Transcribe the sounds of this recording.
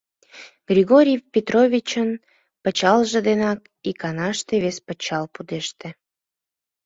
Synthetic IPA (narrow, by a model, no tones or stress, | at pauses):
ɡ̥rʲiɣoɾʲijpʲet̪rovʲit͡ɕən | pət͡ɕɑlʒə̆d̪enɑk | ikɑnɑʃt̪eβespət͡ɕɑlpud̪eʃt̪ĕ